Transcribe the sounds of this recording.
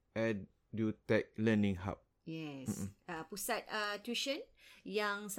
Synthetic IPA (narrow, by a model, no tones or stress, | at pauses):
ʔɛ̃d | dutɛk̚lɛ̃nĩŋɦa̰p̚ | jɛs̩apusat̪̚ətiʃə̃n | jãŋs